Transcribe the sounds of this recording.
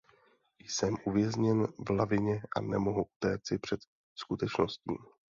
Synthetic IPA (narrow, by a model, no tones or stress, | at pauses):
jsɛmʔuvjɛzɲɛnvlavɪɲɛʔa̰nɛmoɦuʔu̥t̪ɛːt͡sɪpr̝̥ɛt̪ | skut̪ɛt͡ʃno̞scḭːm